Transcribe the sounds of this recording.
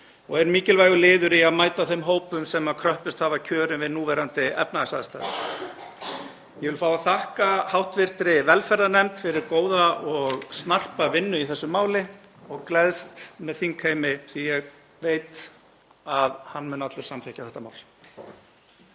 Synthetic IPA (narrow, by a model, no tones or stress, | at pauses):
ɔɣɛɾmiːcɪlvaːjɣʏlɪːðʏɾiaðmaːjt̪aθemɦoːwpʏmsɛmaðkʰɾœhpɪst̪havacʰœːɾʏmvɪðnuːvɛɾant̪ɪɛ̰pnaasaðst̪a̰ːɪ̰ | jɛvɪlfaːwaθahkahawht̪vɪr̥t̪ɾɪvɛlfɛɾðanɛmt̪fɪɾɪɾkoːwðaɔɣsnar̥pavɪnːʏiθɛsːʏmːaːwlɪ | ɔɣklɛðst̪mɛðθiŋkʰheːjmɪθijɛɣ | veːjt̪ | aðhanːmʏnat̪lʏɾ̥samθehcḁθɛht̪ama̰ːwl